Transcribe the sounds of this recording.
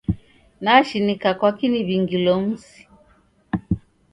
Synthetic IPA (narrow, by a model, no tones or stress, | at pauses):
naʃinikakwakiniβiŋɡilɔm̩si̥